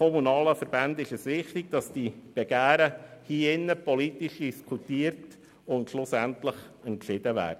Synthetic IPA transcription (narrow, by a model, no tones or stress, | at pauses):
ɔmunɑːləfəɾb̥ændɪʃəsʋɪχtɪɡ̚d̥ɑsd̥ib̥ɛɡ̥æːɾəhiːɪnːəpɔlitiʃd̥iskʰutiːəɾt | ʊntʃlʊsæntləχɛntʃɪd̥əvæ̰ːdə